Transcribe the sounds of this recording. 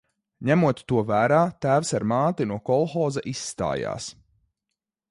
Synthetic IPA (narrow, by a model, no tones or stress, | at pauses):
ɲæmuɔt̪ːuɔvæːɾaːt̪æːwsaɾmaːt̪inuɔkɔlˠxɔːzaʔisːt̪a̰ːja̰ːs